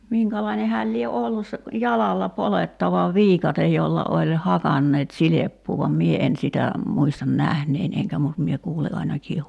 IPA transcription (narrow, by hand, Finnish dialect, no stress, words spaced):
miŋkælɑine hæːl lie olːus se jɑlɑlːɑ poletːɑʋɑ ʋiːkɑtej jolːɑ olʲ hɑkɑnːeːt silepːuː ʋɑm mie en sitæ muistɑn næhnein eŋkæ mut mie kuːli ɑinɑkiː